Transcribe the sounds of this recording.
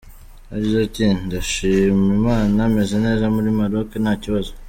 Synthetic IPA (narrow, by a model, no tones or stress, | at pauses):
aɟizetindaʃimimaːname̞zene̞ːzamuɾimaɾokenaːciβazo